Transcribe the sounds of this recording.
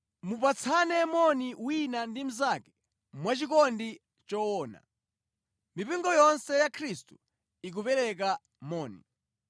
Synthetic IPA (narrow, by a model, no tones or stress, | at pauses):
mup̬at͡sʰanɛmɔniwinandim̩zakɛ̥ | mwat͡ʃikɔndi | t͡ʃɔɔːna̰ | mipiŋɡɔjɔnsɛjakʰɾistu̥ | ik̬upɛɾɛk̬a | mɔːnḭ